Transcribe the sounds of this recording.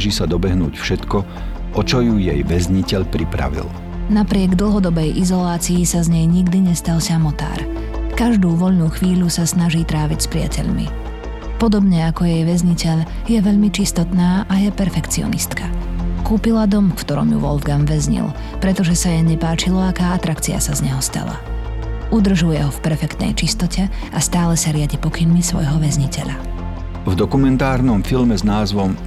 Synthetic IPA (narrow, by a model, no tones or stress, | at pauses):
ʒiːsad̪ɔbɛɦnṵːcfʃɛt̪kɔ | ʔɔt͡ʃɔjujɛ̰jʋɛzɲicɛʎpɾipɾa̰ʋḭl | napɾɪɛɡd̪l̩ˠɦɔd̪ɔbɛjʔizɔlaːt͡siisazɲɛjɲiɡd̪iɲɛst̪alsamɔt̪a̰ːɾ | kaʒd̪uːʋɔʎnuːxʋiːʎusasnaʒiːt̪ɾaːʋicspɾɪa̰cʰɛ̰ʎmḭ | pɔd̪ɔbɲɛakɔjɛjʋɛzɲicɛʎ | jɛʋɛʎmit͡ʃist̪ɔt̪naːʔajɛpɛɾfɛkt͡siɔ̰nḭst̪kʰakuːpilad̪ɔmfkt̪ɔɾɔ̰mjṵʋɔ̰lvɡamʋɛzɲḭlˠ | pɾɛt̪ɔʒɛsajɛɲɛpaːt͡ʃilɔakaːat̪ɾakt͡sia̰sazɲɛɦɔst̪a̰la̰ | ud̪r̩ʒujɛɦɔfpɛɾfɛkt̪nɛ̰jt͡ʃist̪ɔcʰɛ | ʔast̪aːlɛsaɾɪaɟipɔkinmisʋɔ̰jɦɔʋɛzɲicɛ̰ʎa | vd̪ɔkumɛnt̪aːɾnɔmfilmɛznaːzʋɔm